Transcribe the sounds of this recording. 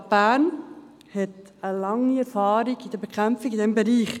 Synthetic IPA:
b̥æːn | hɛt | əlɑŋːiɛɾfɑːɾiɡid̥əɾbekʰχæmfiɡidɛmbeɾiːχ

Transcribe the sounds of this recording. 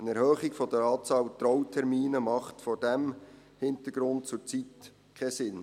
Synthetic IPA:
ənɛɾhœːχiɡfɔd̥əɾɑːt͡sɑːlt̪ɾɔwtʰɛɾmiːnəmɑχtfɔɾdæm | hɪntəɡ̥ɾʊnt̚t͡sʊt͡sit | kʰɛsɪn

